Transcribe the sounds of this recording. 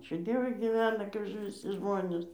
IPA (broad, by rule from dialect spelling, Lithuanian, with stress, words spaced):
ˈɑːt͡ʃʲuː ˈdʲiɛʋʊɪ ɡʲiːˈʋʲæːnɐ kɐɪp ʋʲɪˈsʲɪ ˈʒmoːnʲeːs